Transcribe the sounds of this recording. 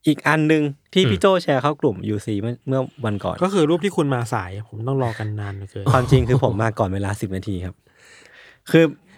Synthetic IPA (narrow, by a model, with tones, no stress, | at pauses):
ʔiː˨˩k̚ʔa˧nːɯ˧ŋt̪ʰiː˥˩pʰiː˦˥˩t͡ɕoː˥˩t͡ɕʰɛː˧kʰa˦˥˩wklu˨˩mjuː˧˩siː˧m˥˩mɯ˥˩ɐwa˧nkɔ̰ː˨˩nkɔː˥˩kʰɯː˧ɾuː˥˩p̚t̪iː˥˩kʰu˧nmaː˧sa̰ː˩˦ja˧pʰo˩˦mt̪ɔ˥˩ŋlɔː˧ka˧nːaː˧n˨˩kɤː˧kʰwaː˧mt͡ɕi˧ŋkʰɯː˧pʰo˩˦mːaː˧˩kːɔː˨˩nweː˧laː˧si˨˩p̚naː˧t̪ʰiː˧kʰa˦˥p̚ | kʰɯː˧